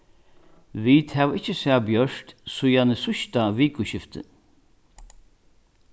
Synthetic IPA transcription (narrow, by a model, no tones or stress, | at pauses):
viːt̪hɛvɪt͡ʃːɪsaːbjœʂt̪sʊjanəsʊʃt̪aviːkʊɕɪft̪ɪ̰